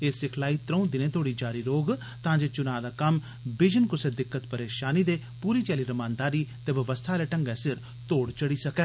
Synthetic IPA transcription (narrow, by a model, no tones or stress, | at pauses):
eːsɪkʰlaːiːt̪ɾə̃ũd̪ɪnẽːt̪ʰoːɽiːd͡ʒaːɾiːɾoːɡ | t̪ãːd͡ʒeːt͡ʃʊnaːd̪aːkəm | bɪd͡ʒənkʊseːd̪ɪkːət̪pəɾeːʃaːniːd̪eː | puːɾiːt͡ʃɛːliːɾəmãːnd̪aːɾiːt̪eːʋəʋəst̪ʰaːlɛːʈəŋɡɛ̃ːsɪɾ | t̪oːɽt͡ʃəɽiːsəkɛː